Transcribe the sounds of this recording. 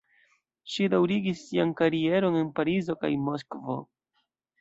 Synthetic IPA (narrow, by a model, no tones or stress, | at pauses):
ʃidawɾiɡisːiankaɾie̞ɾo̞ne̞npaɾizo̞ka̰jmo̞skvo̞̰